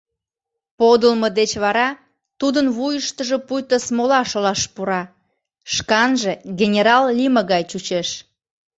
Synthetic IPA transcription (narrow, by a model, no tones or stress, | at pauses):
pod̪əlməd̪et͡ɕβɑɾɑ | t̪ud̪ənβujəʃt̪əʒepujt̪əsmolɑʃolɑʃpuɾɑ | ʃkɑnʒeɡʲenʲeɾɑlːiməɣɑjt͡ɕut͡ɕeʃ